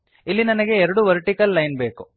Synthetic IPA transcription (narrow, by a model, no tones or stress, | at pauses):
ilːinɐnɐɡe̞ːɾɐɽuʋɐɾʈikɐlːɐjnbeːku